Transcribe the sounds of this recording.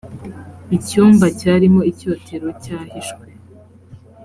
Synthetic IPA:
icuːmbacaːɾimo̞ico̞ːtʰe̞ɾo̞caːhiʃkwe

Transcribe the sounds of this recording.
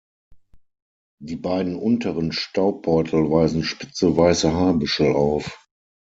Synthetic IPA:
d̥iːbaɪdn̩ʔʊntʰəʁənʃtaʊb̥ɔʏtʰl̩vaɪzn̩ʃpɪt͡səvaɪsəɦaːɐbʏʃl̩aʊf

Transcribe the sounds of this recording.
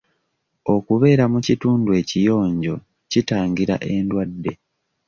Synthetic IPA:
o̞kuβe̞ːɾamucituːndue̞ːcijo̞ːɲɟo̞ | citaːŋɡiɾa̰ʔe̞ndwadːe̞

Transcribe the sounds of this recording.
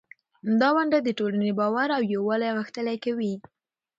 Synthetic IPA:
amd̪ɑwaɳɖad̪əʈolanebɑwaɾawjawɑlajaɣəxt̪əlajkawi

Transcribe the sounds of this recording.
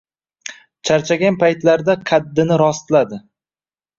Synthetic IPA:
t͡ʃʰaɾt͡ʃʰaɡʲanpʰajt̪laɾd̪aqʰɑd̪ːɪnɪɾɒst̪lad̪ɪ

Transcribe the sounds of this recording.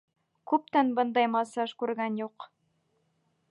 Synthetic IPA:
kʉp̚t̪ænbɤ̆nd̪ɑjmɑsɑʃkʉɾɡænjuq

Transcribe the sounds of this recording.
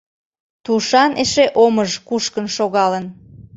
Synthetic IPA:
t̪uʃɑnʔeʃeʔoməʒkuʃkənʃoɣɑlən

